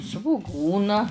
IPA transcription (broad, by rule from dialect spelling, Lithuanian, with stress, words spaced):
sʋʊˈɡuːnɐ